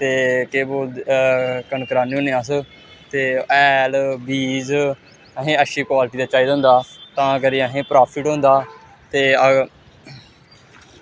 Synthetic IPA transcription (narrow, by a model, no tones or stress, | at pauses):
t̪eːkeːboː | kənkəɾaːnːõːnẽːas | t̪eːɛːlbiːz | əɦẽːəʃiːkwaːlʈiːd̪aːt͡ʃaːiːd̪ə̃ːnd̪aːt̪ãːəɡəɾiɦẽːpɾaːpʰɪʈɦõːnd̪aː | t̪eːə